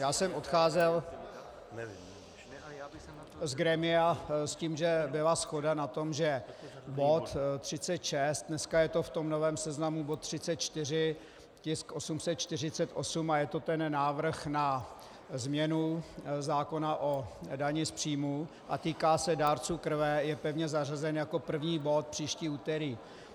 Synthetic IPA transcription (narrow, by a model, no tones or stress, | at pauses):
jaːsɛmʔo̞t̪xaːzɛl | zɡɾɛmɪasciːmʒɛbɪlasxo̞danat̪o̞mʒɛbo̞t̪t̪r̝̥ɪt͡sɛt̪ʃɛst̪̚dnɛskajɛt̪o̞ft̪o̞mno̞vɛːmsɛznamubot̪ːr̝̥ɪt͡sɛt̪̚t͡ʃt̪ɪr̝ɪ | cɪskʔo̞sumsɛt̪̚t͡ʃt̪ɪr̝ɪt͡sɛt̪ʔo̞sumajɛt̪ot̪ɛnːaːvr̩xna | zmɲɛnuzaːko̞naʔodaɲɪspr̝̥iːmu | ʔat̪iːkaːsɛdaːɾt͡suːkr̩vɛjɛpɛvɲɛzarazɛnjako̞pr̩vɲiːbo̞t̪̚pr̝̥iːʃciːuːt̪ɛɾiː